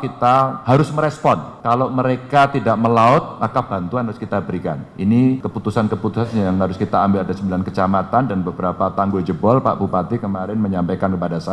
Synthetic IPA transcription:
kit̪ahaɾʊsməɾɛspɔnkaloməɾekat̪idaʔməlaʊt̪̚makab̥a̤nt̪uanɦaɾʊskit̪abəɾika̰ninikəput̪usankəput̪usanjaŋɦaɾʊskit̪aːmbɪladasəmbilankət͡ʃamat̪andanbəbəɾapat̪aŋɡod͡ʒəbɔlpa̰ʔbupat̪ikəmaɾɪnməɲampekankəpadasa

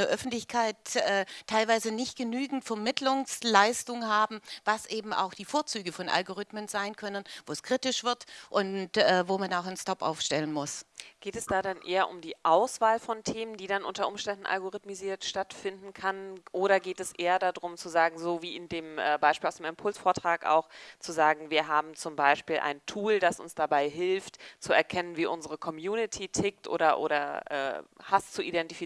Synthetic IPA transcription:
ɐʔœfn̩tlɪçkʰaɪtɛːtʰːaɪlvaɪzənɪçt̚ɡ̥ənyːɡŋ̩tfɛɐmɪtʰlʊŋslaɪstʊŋhaːbm̩vasʔeːbm̩a̰ʊxd̥iːfoːɐt͡syːɡəfɔnʔa̰lɡoʁ̞ʏtmənzaɪnkʰœnənvoːɛskʁ̥itɪʃv̥ɪɐtʔʊntɛːvoːmanaʊxanstɔpʔa̰ʊfʃtɛlənmʊsɡ̥eːtɛsd̥aːdanʔeːɐʔʊmdiːʔaʊsv̥aːlfɔntʰeːməndiːdanʔʊntɐʔʊmʃtɛndn̩ʔa̰lɡoʁɪtmiziːɐtʃtatfɪndn̩kʰanʔoːɾɐɡeːtɛsʔeːɐdadʁʊmt͡suzaːɡŋ̩zoːviːɪndeːmʔɛːbaɪʃpiːlaʊsdeːmɛmpʰʊlsfoːɐtʁ̥aːka̰ʊxt͡suzaːɡŋ̩viːɐɦaːbm̩t͡sʊmbaɪʃpiːlʔa̰ɪntʰuːldasʔʊ̰nsd̥abaɪɦɪlftt͡suɛɐkʰɛnənviːʔʊnzəʁəkʰɔmjuːnɪtʰiːtʰɪktʔo̰ːɾɐʔo̰ːɾɐʔɛ̰ːhast͡suʔidɛntifi

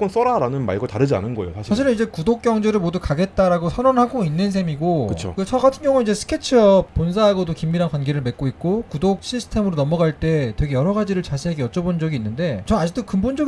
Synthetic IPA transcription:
k͈ons͈ʌɾaɾanɯnma̰ɭɡotaɾɯd͡ʑia̰nɯnɡʌejo̰sʰaɕʰaɕʰiɾɯnid͡ʑe̞kudok̚k͈jʌŋd͡ʑeɾɯɭmodukaɡe̞t̚t͈aɾaɡosʰʌnonɦaɡoinːɯnsʰe̞miɡokɯt͡ɕʰo̰kɯt͡ɕʰʌɡatʰɯnɡjʌŋunid͡ʑe̞sʰɯ̥kʰe̞t͡ɕʰɯʌp͈̚ːonsʰaɦaɡʌdokimːiɾankwanɡe̞ɾɯɭme̞k͈oik̚k͈okudok̚ɕʰisʰɯ̥tʰe̞mɯɾonʌmʌɡaɭt͈e̞twe̞ɡe̞jʌɾʌɡad͡ʑiɾɯɭt͡ɕaɕʰiɦaɡeʌt͡ɕ͈ʌbond͡ʑʌɡiːnːɯnde̞t͡ɕʌnad͡ʑik̚t͈okɯmbond͡ʑʌɡ

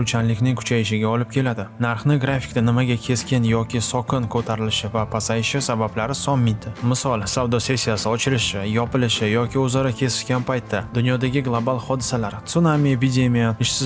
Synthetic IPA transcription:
ɾʊt͡ʃʰanlɪkʲnɪŋkʰʊ̥t͡ʃʰajɪʃɪɡʲaɒlɪp̚kʲe̞lad̪ɪnaɾχnɪɡɾafʲi̥kʲd̪anɪmaɡʲakʲʰe̞skʲɪnjɒkʲɪsɒkʰɪnkʰɵt̪ʰaɾɪlɪʃɪvapʰasajɪʃɪsabablaɾɪsɒmːɪt̪ʰɪmɪsɒlˠsavd̪ɒse̞sːijasɪɒt͡ʃʰɪɾɪʃɪjɒpɪlɪʃɪjɒkʲʰɪɵzaɾakʲʰe̞sɪ̥ʃɡʲanpʰajt̪ʰːad̪ʊnjɒd̪aɡʲɪɡlˠobalˠχɒd̪ɪsalaɾt̪sunamiepʲid̪e̞mijaɪʃsɪ

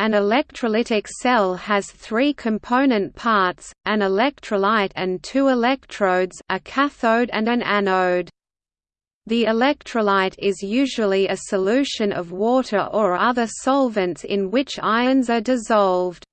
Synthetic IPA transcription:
ɨ̃nəlɛk̚tʰɹ̥əlɪɾɪksɛlˠəz̥θɹikʰɨ̃mpʰõʊ̃nɨ̃npʰɑɹtsʔɨ̃nəlɛk̚tʰɹ̥əlaɪɾɨ̃ntʰʉɪlɛk̚tʰɹ̥oʊdz̥ʔɨkʰæθoʊɾɨ̰̃nɨ̃nænoʊd | ðiɪlɛk̚tʰɹ̥əlaɪɾɪzjʉʒəl̩ˠiɨsəlʉʃɨ̃nʌvwɔɾə˞ʔə˞ʌðə˞sɑlˠvɨ̃ntsɪ̰̃nwɪt͡ʃa̰ɪɨ̃ndzə˞dɨzɑlˠvd̥

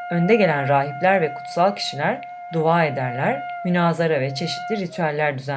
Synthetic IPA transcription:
ø̞nd̪ɛɟe̞lʲænɾaːɦiplʲæɾvɛkʰu̥t̪salˠcʰi̥ʃilʲæɾ | d̪oaːe̞d̪æɾlʲæɾmynaːzaɾavɛt͡ʃʰe̞ʃi̥t̪ʰlʲiɾit̪ʰyælʲːæɾd̪yzæ

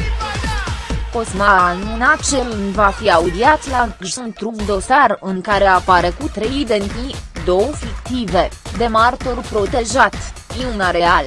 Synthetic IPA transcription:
ko̞smannat͡ʃelnvafiaud̪iat̪laʒunt̪ɾukd̪o̞sarɨŋkaɾe̞apaɾe̞kut̪ɾejd̪enid̪o̞wfikt̪ived̪e̞mart̪orpɾo̞t̪e̞ʒat̪iunaɾeal

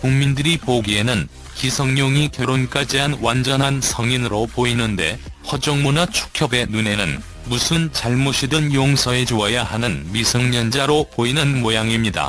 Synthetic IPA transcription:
kuŋmindɯɾipoɡienɯn | kisʰʌŋɲoŋikjʌɾonk͈ad͡ʑiɦanwand͡ʑʌnɦansʰʌŋinɯɾopoinɯnde̞ | ɸʌd͡ʑʌŋmunat͡ɕʰu̥kʰjʌbe̞nune̞nɯn | musʰɯnt͡ɕaɭmoɕʰidɯnjoŋsʰʌe̞d͡ʑoʌjahanɯnmisʰʌŋɲʌnd͡ʑaɾopoinɯnmojaŋimɲida̰

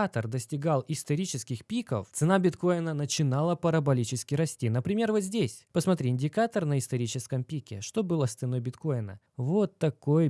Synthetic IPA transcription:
at̪ərd̪əsʲtʲɪɡalˠɪst̪ɐɾʲit͡ɕɪskʲɪxpʲikəft̪sɨnabʲɪt̪ko̞jɪnənət͡ɕɪnalˠəpəɾəbɐlʲit͡ɕɪskʲɪɾɐsʲtʲinəpɾʲɪmʲe̞rvot̪zʲdʲesʲpəsmɐt̪ɾʲiɪnʲdʲɪkat̪ərnəɪst̪ɐɾʲit͡ɕɪskəmpʲikʲɪ̰ʂt̪o̞bɨlˠəst̪sɨno̞jbʲɪt̪ko̞jɪnə̰ | vo̞t̪ːɐko̞j

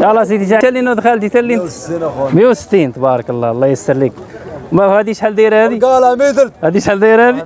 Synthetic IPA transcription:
jɑlːɑs̬it̪it̪at̪ælːinud̪xælt̪it̪ælːin | mijuwsə̥t̪ːint̪bɑɾˤəkəlˤːɑlˤːɑjəsːəɾˤlik | mæhæd̪iʃħæld̪iɾhædɡalamit̪əlhæd̪iʃħæld̪iɾhæd̪i

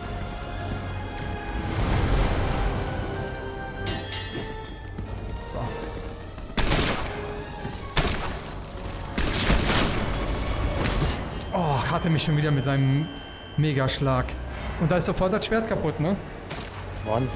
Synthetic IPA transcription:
z̥o̰ | ʔɔhatəmɪçʃoːnviːdɐmɪtz̥aɪnəm | mːeːɡaʃlaːk | ʔʊntd̥aːɪstz̥ofɔɐt̚d̥asʃv̥eːɐt̚kʰapʊtnə | man

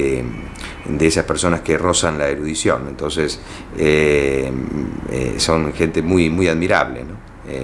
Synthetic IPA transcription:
e | d̪eesaspeɾso̞naskerosanlaeɾuðisjo̞̰nẽnt̪o̞nses | e | ḛso̞nxent̪emujmujaðmiɾa̰βlḛno | e

